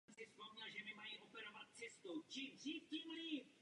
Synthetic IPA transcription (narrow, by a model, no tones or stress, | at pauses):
sɪskodlaʒɛmɪmajiʔo̞pɛɾovat̪̚t͡sɛst̪owt͡ʃimdriːfciːmli